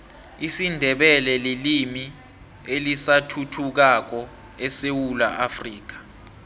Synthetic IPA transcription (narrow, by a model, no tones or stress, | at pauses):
isindʱɛɓɛlɛlilimi | elisatʰutʰuk̬ak̬ɔ | ɛsewula̰ʔafriːk̬ḁ